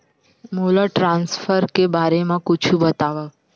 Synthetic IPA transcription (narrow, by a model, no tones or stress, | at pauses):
moləʈɾãnsfəɾkebaɾemãkʊt͡ʃʰũbət̪aʋa